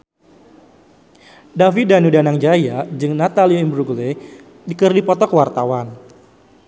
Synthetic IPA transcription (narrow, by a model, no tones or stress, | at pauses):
davidanudanaŋd͡ʒajad͡ʒɨŋnat̪alioimbɾuɡle | dikɨrdipɔt̪ɔkwart̪awan